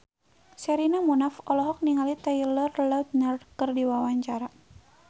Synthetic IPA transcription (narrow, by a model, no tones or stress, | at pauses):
sɛɾinamunafɔlɔɦɔk̚niŋalit̪ajlərlat̪̚narkərdiwawaɲt͡ʃaɾa